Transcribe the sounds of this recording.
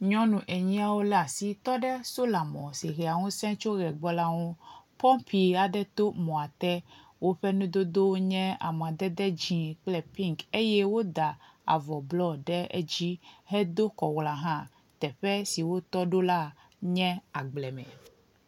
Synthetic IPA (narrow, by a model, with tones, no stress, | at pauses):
ɲɔ̃˦nũ˨ʔɛ˨ɲĩ˦a˦wo˦la˨si˦t̪ɔ˦ɖɛ˦so˦la˨mɔ̰̃˨si˨xe˨a˨ŋũ˦sɛ̃˦t͡ʃo˦ɣɛ˨ɡ͡bɔ˦la˦ŋũ˦pɔ˦mpi˨a˨ɖɛ˦t̪o˦mɔ̃˨a˨t̪ɛ˦ | wo˦ɸɛ˦nũ˦d̪o˦d̪o˦wɲɛ̃˦a̰˨m˨ã˨d̪ɛ˦d̪ɛ˦d͡ʑĩ˨klɛ˦pi˦ŋke˦jɛ˦wo˦d̪a˨ | a̰˨vɔ˨blɔ˦ɖɛ˦ḛ˦d͡ʑi˦ɦɛ˦d̪o˦kɔ˨wla˨ɦã˦ | t̪ɛ˨ɸɛ˦si˨wo˦t̪ɔ˦ɖo˦la˦ | ɲɛ̃˦a˨ɡ͡blɛ˨mɛ̰̃˨